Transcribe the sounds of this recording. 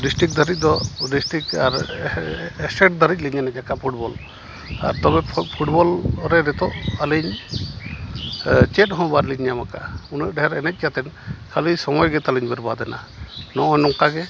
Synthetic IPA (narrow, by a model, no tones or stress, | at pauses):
ɖisʈik̚d̪ʱəɾic̚ˀd̪ɔɖisʈɾikaɾ | ɛsɛkʈ̚d̪ʱəɾic̚ˀliɲanɛc̚akaʔpʰuʈ̚bɔl | a̰ɾt̪ɔbɛpʰuʈbɔlɾɛɾɛt̪ɔʔaliɲ | t͡ʃɛʈ̚ɦɔ̃baɾliɲjamaka̰unəʔ̚ɖɛɦɛɾɛnɛc̚ˀkjat̪ɛnkʰalisɔmɔjɡɛt̪aliɲbɛɾbad̪ɛna̰ | nɔʔɔnɔŋkaɡɛ